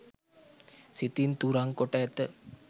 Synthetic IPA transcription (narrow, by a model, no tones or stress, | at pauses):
sit̪int̪uɾaŋkoʈəɛt̪ə